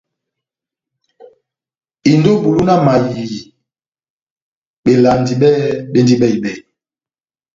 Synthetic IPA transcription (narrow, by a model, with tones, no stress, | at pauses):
i˨ndo˦bu˨lu˦na˦ma˨ji˨i˨ | ɓe˨la˨ndi˨ɓɛ˦ɓe˦ndi˦ɓɛ˦i˨ɓɛ˨